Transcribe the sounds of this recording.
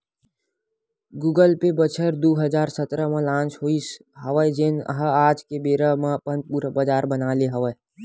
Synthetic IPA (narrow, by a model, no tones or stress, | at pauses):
ɡuːɡəlpebət͡ʃʰəɾd̪oːɦəd͡ʒaːɾsət̪ɾəmãlãːnt͡ʃɦoːi | ɦəʋəd͡ʒenə̰ɦəaːd͡ʒkebeːɾəmãpənpuːɾəbəd͡ʒaːɾbənaːleɦəʋə